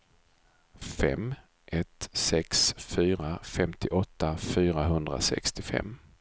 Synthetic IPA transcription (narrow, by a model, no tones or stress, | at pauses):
fɛm | ʔɛt̪sɛksfyːɾafɛmt̪ʰɪʔɔt̪ːafyːɾaɦɵnd̪ɾa̰sɛ̰kst̪ɪfɛ̰mː